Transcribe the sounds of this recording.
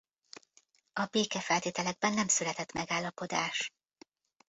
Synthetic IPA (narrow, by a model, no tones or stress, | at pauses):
ɒbeːkɛfɛlt̪eːt̪ɛlɛɡ̚bɛnːɛmsylɛt̪ɛt̪mɛɡaːlːɒpo̞d̪aːʃ